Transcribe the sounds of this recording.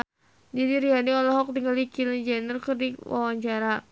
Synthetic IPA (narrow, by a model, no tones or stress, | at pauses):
d͡ʒadiɾiadiɔlaɦɔk̚d̪iŋalikilid͡ʒɛnərkɨrdiwa̰waɲt͡ʃaɾa